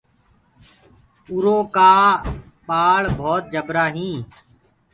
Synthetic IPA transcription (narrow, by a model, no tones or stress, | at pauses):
ʊɾoːkaː | paːɭbʱoːt̪̚d͡ʒəbɾaːɦĩː